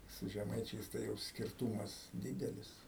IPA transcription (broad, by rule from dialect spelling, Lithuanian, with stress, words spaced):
sʊ ʒʲɛˈmɐɪt͡ʃʲɛɪs ˈtɐɪ jɛʊ sʲkʲɪrˈtuːmɐs ˈdʲiːdʲɛlʲɪs